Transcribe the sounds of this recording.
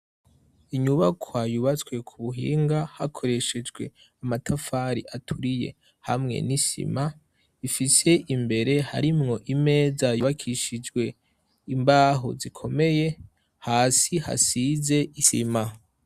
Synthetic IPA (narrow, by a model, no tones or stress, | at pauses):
iɲuβakʰwajuβat͡swe̞kʰuβuɦḭːŋɡahakʰo̞ɾe̞ʃe̞d͡ʒɡwe̞ | amatʰafaːɾiʔatʰuɾije̞̰ | ha̰mŋe̞̰nisḭma | ifise̞ʔimbe̞ɾe̞ha̰ɾimŋo̞ʔime̞ːzajuβakʰiʃid͡ʒɡwe̞ | imbaːɦo̰zikʰo̞me̞je | haːsiha̰size̞isḭma